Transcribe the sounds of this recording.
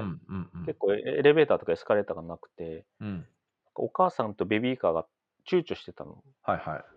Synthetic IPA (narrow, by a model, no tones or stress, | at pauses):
ke̞kːo̞ːeɾe̞be̞ːt̪aːt̪o̞kaesɨ̥kaɾe̞ːt̪aɡanakɯ̟̥t̪e̞ | nnãŋka̰o̞kaːsãnt̪o̞bebʲiːkaːɡa | t͡ɕɨːt͡ɕoɕi̥t̪e̞t̪a̰no̞̰ | haiha̰i